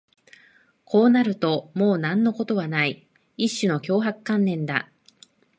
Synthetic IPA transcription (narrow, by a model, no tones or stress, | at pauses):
kʰo̞ːnaɾɯ̟t̪o̞mo̞ːnãnːo̞ko̞t̪o̞βanai | iɕːɨno̞kʲo̞ːɦakɯ̟̥kãnːẽ̞nd̪a̰